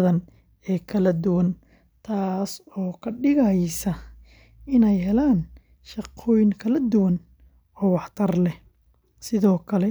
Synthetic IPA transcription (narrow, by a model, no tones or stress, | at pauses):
ðɐn | ɛːkʰɐlɐd̪ʊwɐn | t̪ʰaːsɔːkʰɐɖɪɣɐjsɐ | ɪnɛjɦɛlaːn | ʃɑqʰɔːjɪŋkʰɐlɐd̪ʊwɐn | ɔːwɑħt̪ʰɐrlɛ | sɪðɔːkʰɐlɛ